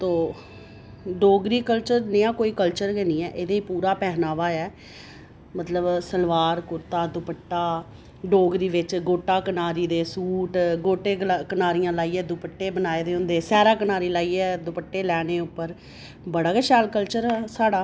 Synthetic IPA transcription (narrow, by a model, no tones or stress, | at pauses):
t̪oː | ɖoːɡɾiːkəlt͡ʃəɾnɪãːkoːiːkəlt͡ʃəɾɡeniːɛːʔeːd̪eːiːpuːɾaːpɛːɦnaːʋaːɛː | mət̪ləbsəlʋaːɾkʊɾt̪aːd̪ʊpəʈːaː | ɖoːɡɾiːʋɪt͡ʃɡoːʈaːkənaːɾiːd̪eːsuːʈɡoːʈeːkənaːɾijãːlaːiːɛːd̪ʊpəʈːeːbənaːeːd̪eːʊ̃nd̪eːsɛːɾaːkənaːɾiːlaːiːɛːd̪ʊpəʈːeːlɛːneːʊpːəɾ | bəɽaːkəʃɛːlkəlt͡ʃəɾɛːsaːɽaː